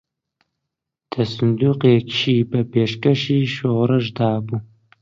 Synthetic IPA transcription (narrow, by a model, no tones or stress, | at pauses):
d̪̥ʰɐsɨnd̪uːqeːkʰʃiːbɐbeːʃkɐʃiːʃoɾɐʒd̪aːbu